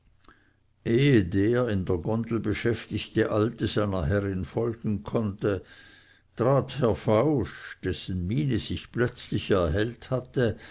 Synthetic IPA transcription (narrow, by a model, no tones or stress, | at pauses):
ʔeːədeːɐɪndeːɐɡɔndl̩bəʃɛftɪçtəʔaltəz̥aɪnɐɦɛʁɪnfɔlɡn̩kʰɔntə | tʁaːthɛɐfaʊʃd̥ɛsən̩miːnəz̥ɪçplœt͡slɪçɛɐɦɛlthatə